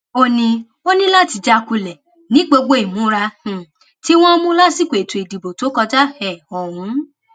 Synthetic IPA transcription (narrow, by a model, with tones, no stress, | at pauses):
o˦nĩ˧ | o˦nĩ˦la˦˨ti˧d͡ʒa˦˧ku˧lɛ˨ | nĩ˨˦ɡ͡bo˧ɡ͡bo˦i˨mũ˨˦ɾa˧h̩˨ | ti˦w̃ɔ̃˦mũ˦la˦si˦˨kʷo˨e˨tu˨i˨di˨bo˨to˨˦kɔ˧d͡ʒa˦hɛ˨ɔ˨ɾ̃ũ˨˦